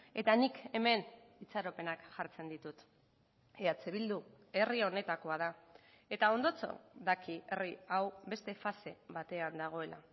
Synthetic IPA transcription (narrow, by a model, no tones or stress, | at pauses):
e̞t̪anike̞me̞n | it͡saɾope̞nakʝaɾt͡se̞nd̪it̪ut̪ | eat͡seβild̪u | e̞rio̞ne̞t̪ako̞að̞a | e̞t̪ao̞nd̪o̞t͡so̞̰ðakʰie̞riawbe̞st̪e̞fase̞βat̪e̞and̪aɣ̞o̞e̞lʔa̰